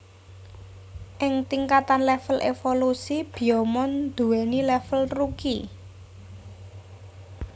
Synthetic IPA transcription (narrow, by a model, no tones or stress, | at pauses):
ʔɪŋt̪iŋkat̪anlɛfəlʔḛfolusib̥i̤ɔmɔnd̪̥ṳwɛnilɛfəlruki